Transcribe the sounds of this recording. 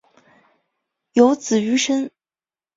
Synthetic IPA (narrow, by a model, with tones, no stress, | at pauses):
jo˧˥ʊt͡sɹ̩˨˩y˧˥ʂə˥n